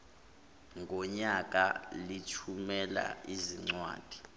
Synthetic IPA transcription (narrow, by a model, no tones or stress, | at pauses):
ŋɡʱɔɲak̬ʼalitʰumɛla̰iziŋ͡ǀwa̰ːd̥ʱi̥